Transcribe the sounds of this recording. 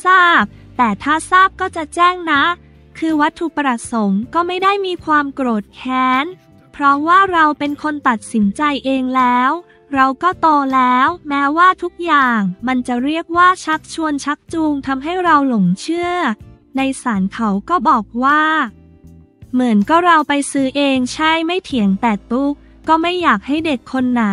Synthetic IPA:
saː˥˩p̚t̪ɛː˨˩t̪ʰaː˥˩saː˥˩p̚kɔː˥˩t͡ɕa˨˩t͡ɕɛː˥˩ŋna˦˥ | kʰɯː˧wa˦˥t̪ʰːu˨˩pɾa˧˩so˩˦mkɔː˥˩ma˥˩jda˥˩jmiː˧kʰwaː˧mkɾoː˨˩t̪̚kʰɛː˦˥n | pʰɾɔ˦˥waː˥˩ɾa˧wpe˧nkʰo˧nt̪a˨˩t̪̚si˩˦nt͡ɕa˧jʔeː˧ŋlɛː˦˥w | ɾa˧wkɔː˥˩t̪oː˧lɛː˦˥wmɛː˦˥waː˥˩t̪ʰu˦˥k̚jaː˨˩ŋma˧nt͡ɕa˨˩ɾi˥˩ək̚waː˥˩t͡ɕʰa˦˥k̚t͡ɕʰu˧ənt͡ɕʰa˦˥k̚t͡ɕu˧ŋt̪ʰa˧mɦa˥˩jɾa˧wlo˩˦ŋt͡ɕʰɯ˥˩ə | na˧jsaː˩˦nkʰa˨˦wkɔː˥˩bɔː˨˩k̚waː˥˩ | mɯ˩˦ənkɔː˥˩ɾa˧wpa˧jsɯː˦˥ʔeː˧ŋt͡ɕʰa˥˩jma˥˩jt̪ʰi˨˩˦əŋt̪ɛː˨˩t̪u˦˥kːɔː˥˩ma˥˩jːaː˨˩k̚ha˥˩jde˨˩kʰːo˧nːa˨˩˦

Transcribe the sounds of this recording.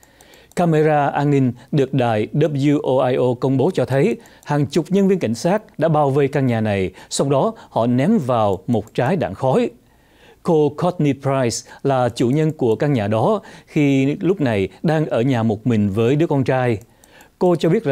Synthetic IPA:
kaː˧me˧zaː˧ʔaː˧nːï˧ŋ̟ɗɨ˨˩ək̚ɗa̰ː˧˨jɗə˦bju˧ʔo˧ʔaː˧jʔo˧kə˧wŋ͡mɓo˨˦t͡ɕɔ˧t̪ʰə˨˦jhaː˨˩ŋt͡ɕʊ˨˩k͡p̚ɲə˧nvi˧nka̰˧˩jŋ̟saː˦˥t̚ɗa̰ː˧˥ɓaː˧˩wve˧jkaː˧ŋɲaː˨˩na˨˩jsa˧wŋ͡mɗɔ˨˦hɔ̰˧˨nɛ˨˦mvaː˨˩wmo˨˩t̚t͡ɕaː˨˦jɗa̰ː˧˩ŋxɔ˨˦j | ko˧kʰɔ˦˥t̚ni˧pɾaː˧jslaː˨˩t͡ɕṵ˧˩ɲə˧nku˧˩əkaː˧ŋɲaː˨˩ɗɔ˨˦xi˧lʊ˦˥k͡p̚na˨˩jɗaː˧ŋʔəː˧˩ɲaː˨˩mo˨˩t̚mï˨˩ŋ̟vəː˨˦jɗɨ˦˥ək̚ɔ˧nt͡ɕaː˧j | ko˧t͡ɕɔ˧ɓi˦˥ət̚

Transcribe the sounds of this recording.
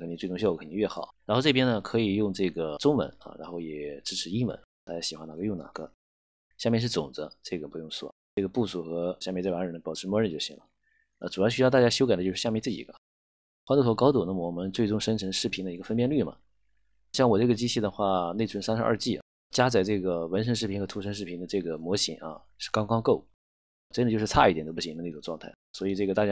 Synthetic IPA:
kʰni˧˩t͡swɪʈ͡ʂʊ˥ŋɕjkʰə˧˩ni˧˥ɥɛ˥˩xɑ˨˩˦ɻa˧˥nxʈ͡ʂɤ˥˩p̬jɛ˥nə˨kʰɤ˧˥i˨˩jʊ˥˧ŋʈ͡ʂɤ˥˩ɡə˩ʈ͡ʂʊ˥ŋwə̰˧˥nɐ̰˧ɻa̰˧˥nxo˥˩ʊjɛ̰˨˩ʈ͡ʂɻ̩˥ʈ͡ʂʰɻ̩˧˥i˥wə̰˧˥n | t̪a˥˩t͡ɕja˥ɕi˨˩xwa˥na˧˥˩jʊ˥˩ŋna̰˨˩ɡ̥ə̰˦ | ɕja˥˧mjɛ˥˧nʂɻ̩˥˩t͡sʊ̰˨˩ŋd͡zə̰˦ʈ͡ʂɤ˥˩ɡə˩pu˧˥jʊ˥˧ŋswɔ̰˥˩ | ʈ͡ʂɤ˥˩ɡə˩pu˥˩su˨˩xɤ˧˥ɕjmɛ˥˧˥t͡swa˧˥ɻə˧˥nə˩pɑ˨˩ʊʈ͡ʂʰɻ̩˧˥mwɔ˥ɻə˥˧nt͡ɕjo˥˩ʊɕḭ˧˥ŋlə̰˧ | ə̰˧ʈ͡ʂu˨˩ɑ˥˩ɕjt̪a˥˧t͡ɕja˥ɕjo˥ʊka˨˩d̪ə˦jo˥˧ʂɻ̩˥˧ja˥˧mjt͡sɹ̩˥˩t͡ɕḭ˨˩ɡə̰˧˦ | xwa˥nt̪u˥˩wɔ˥˩kɑ˥ʊt̪ʊ˨˩d̪ə˦mwɔ˧˥mə˧˥nt͡swe˥˩ɪʈ͡ʂʊ˥˧ŋʂə˥nʈ͡ʂʰɤ˧˥ŋʂɻ̩˥˩pʰi˧˥nd̪ə˧i˧˥ɡə˧fə˥npjɛ˥˧nly˥˩mɐ̰˩ | ɕjɑ˥˩ŋwɔ˨˩ʈ͡ʂɤ˥˩ɡə˩t͡ɕi˥t͡ɕʰi˥˩d̪ə˩xwa˥˩ne˥˩ɪt͡sʰə˧˥nsa˥nʂɻ̩˧˥ʔɐ̰˞˥˧t͡ɕi˥˩ | t͡ɕja˥t͡sa˨˩ɪʈ͡ʂɤ˥˩ɡə˩wə˧˥nʂ̬ə˧˥nʂɻ̩˥˩pʰi˧˥nxɤ˧˥t̪ʰu˧˥ʂə˧˥nʂɻ̩ʰ˥˩i˧˥nd̪ə˧ʈ͡ʂɤ˥˩ɡə˩mwɔ˧˥ɕḭ˨˥˦ŋɐ̰˧ | ʂɻ̩˥˧˩kɑ˥ŋkɑ˥ŋko˥˩ʊ˩ | ʈ͡ʂn̩˥˧jʂɻ̩˥˧t͡sʰa˥˧i˥˩ɛ˨˩no˥ʊpu˥˩ɕi˧˥d̪ə˧ne˥˩ʊ˨˩ʈ͡ʂwɑ˥˧ŋt̪ʰa˥˩swɔ˧˥i˨˩ʈ͡ʂɤ˥˩ɡə˩t̪a˥˩t͡ɕja˥

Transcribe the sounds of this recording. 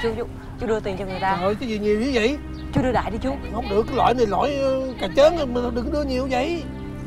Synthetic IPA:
t͡ɕu˨˦u˨˧˦ | t͡ɕu˨˦ɗɨ˧ət̪i˨˩nt͡ɕɔ˧ŋɨ˨˩jt̪aː˧hə˨˧˩jka˨˦vi˨˩ɲi˨˩əwɲi˧˦və̰˧˨j | t͡ɕu˨˦ɗɨ˧ɗa̰ː˧˨jɗi˧t͡ɕu˨˦hə˧˦wŋ͡mɗɨ̰˨˧˩əkːaː˦jlwa̰ː˧˨jnə˨˩lɔ̰˧˨jkaː˨˩t͡ɕəː˨˦n˨m˨˩˧ŋ͡mɗɨ˨˩ŋɗɨ˧əɲi˨˩əwzə̰˧˨j

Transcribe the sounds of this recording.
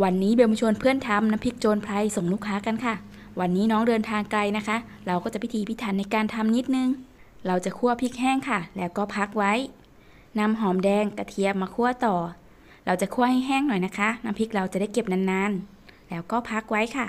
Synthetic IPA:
wa˧nːiː˦˥be˧mo˧˦t͡ɕʰo˧npʰɯ˥˩ənt̪ʰa˧mna˧˦˥mpʰi˦˥k̚t͡ɕoː˧npʰla˧jso˨˩˦ŋluː˥˩kʰːaː˦˥ka˧nkʰa˥˩ | wa˧nːiː˦˥nɔː˦˥ŋdɤː˧nt̪ʰaː˧ŋkla˧jna˦˥kʰa˦˥ | ɾa˧wkɔː˥˩t͡ɕa˨˩pʰi˧˦t̪ʰːpʰi˦˥t̪ʰaː˨˩˦nːa˧jkaː˧nt̪ʰa˧mni˦˥t̪̚nɯ˧ŋɾa˧wt͡ɕa˨˩kʰu˥˩ɐpʰi˦˥k̚hɛː˥˩ŋkʰa˧˥˩lɛː˦˥wkɔː˥˩pʰa˦˥k̚wa˦˥j | na˧mɦɔː˨˩˦mdɛː˧ŋka˧˩t̪ʰi˧˩əmmaː˧kʰu˥˩ɐt̪ɔː˨˩ | ɾa˧wt͡ɕa˨˩kʰu˥˩ɐha˥˩jɦɛː˥˩ŋnɔ˨˩jna˦˥kʰa˦˥na˦˥mpʰi˦˥k̚ɾa˧wt͡ɕa˨˩da˥˩jke˨˩p̚na˧nːaː˧n | lɛː˦˥wkɔː˥˩pʰa˦˥k̚wa˦˥jkʰa˥˩

